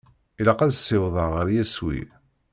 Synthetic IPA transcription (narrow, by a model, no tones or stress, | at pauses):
ilɑqæzsɪwðˤɑʁəɾjæswḭ